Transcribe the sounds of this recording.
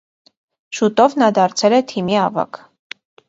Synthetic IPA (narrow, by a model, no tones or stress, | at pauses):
ʃut̪ɔvnɑd̪ɑɾt͡sʰɛlɛt̪ʰimiɑvɑ̰kʰ